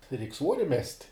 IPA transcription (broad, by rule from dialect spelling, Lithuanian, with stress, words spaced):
rʲɛɪkʲ ˈsʋuɔrʲɪ mʲɛsʲtʲ